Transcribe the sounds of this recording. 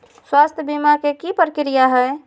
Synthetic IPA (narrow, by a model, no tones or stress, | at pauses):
swast̪ʰjəbimakekipɾəkɾijaɦɛe